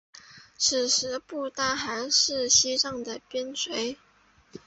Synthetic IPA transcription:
t͡s̩ʰ˨˩ʂɻ̩˧˥pu˥˩t̪a˥xa˧˥ɪʂɻ̩˥˩ɕi˥ʈ͡ʂɑ˥˩ŋd̪ə˩pjɛ˥nswe˧˥ɪ

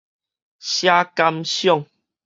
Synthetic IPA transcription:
ɕja˦ka˦msjɔ˦˨ŋ

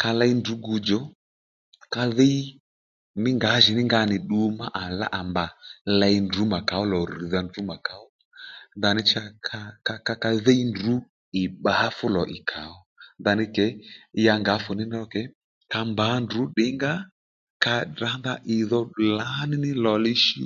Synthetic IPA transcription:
ka˧la˧i˦ndu˨˦ɡu˧d͡ʒɔ˨˦ | ka˧ðɛ˦i˦ | nɪ˦ŋɡa˨˦ʒɪ˨nɪ˦ŋɡa˧˦nɪ˨ɗu˧ma˦ʔa˨la̰˦ʔa˨mba˨la˧i˧ndu˨˦ma˨ka˨ɔ˦lɔ˨ɾi˨ða˧ndu˨˦ma˨ka˨˦ɔ˦ | nða˨nɪ˦t͡ʃa˧kʰa˧ka˧ka˧ka˧ðɛ˦i˦ndu˨˦ | ɪ˨ɓa˨a˦fʊ˦lɔ˨ʔɪ˨kʰa˨ɔ˦ndða˨˧nɪ˦kɛ˨˦ja˧ŋɡa˨˦fʊ˨nɪ˦n˦ɔ˧kɛ˨˦ | ka˧mba˨˦ndu˨˦ɗɪ˨˦ŋɡa˦ | ka˧da˨˦nða˦ʔɪ˨ðɔ˧˨la˨˦nɪ˦nɪ˦lɔ˨lɪ˦ʃi˦

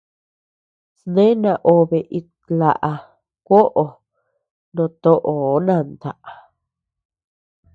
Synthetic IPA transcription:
snẽ˦nã˨ʔo˨βe˨ʔi˧ | la̰˨ʔa˧ | kʷo˦ʔo˨ | nõ˧t̪o˦ʔo˨˦nã˧˨nd̪a˨ʔa˨

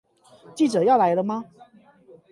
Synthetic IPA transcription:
t͡ɕi˥˩ʈ͡ʂɤ˨˩jɑ˥˩ʊla˧˥ɪlə˧mɐ˧

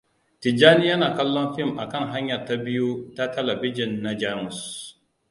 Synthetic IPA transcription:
tɪ˨d͡ʒaː˦ni˦jɐ˦naː˨kɐ˦lːɔ˦nɸɪ˦˨mʔa˨kɐ˦˨ŋɦa˦ɲjɐ˨rta˦bɪ˦ju˦ta˦tɛ˦lɐ˨bɪ˦d͡ʒɪ˨nːa˨d͡ʒa˦mʊ˨s

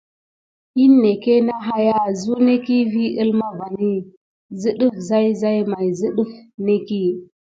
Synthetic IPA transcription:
i˦nːe˨ke˦na˦ɦa˦ja˦zu˦ne˦ki˦vi˦ʔə˦lma˦va˨ni˦ | zɨ˦ɗu˦fza˦jza˦jma˨jzɨ˦ɗu˦fne˦ki˦

